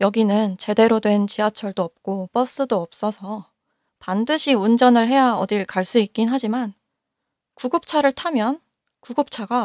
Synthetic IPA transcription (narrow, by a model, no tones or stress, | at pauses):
jʌɡinɯnt͡ɕe̞de̞ɾodwe̞nt͡ɕiɦat͡ɕʰʌɭdoʌp̚k͈op͈ʌs͈ɯdoʌp̚s͈ʌsʰʌ | pandɯɕʰiund͡ʑʌnɯɭɦe̞jaʌdiɭkaɭs͈uik͈inɦad͡ʑiman | kuɡɯp̚t͡ɕʰaɾɯɭtʰamjʌn | kuɡɯp̚t͡ɕʰaɡa